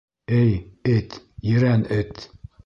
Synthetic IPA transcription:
ɘjɘt̪jɘ̆ɾænɘt̪

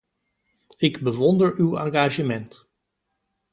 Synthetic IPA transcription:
ɪɡbəʋɔndəɹywa̰ːŋɡaːʒəmɛnt

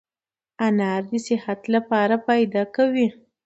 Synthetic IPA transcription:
anɑɾd̪əsɪhat̪lapɑɾapajd̪ɑkawi

